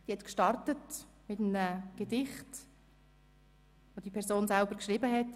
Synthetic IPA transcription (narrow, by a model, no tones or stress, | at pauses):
d̥ihɛtkʃtɑrtət | mɪtənəɡ̥edɪχt | ʋod̥ipʰɛɾzoːnsɛlbəɾkʃʁiːbəɦɛt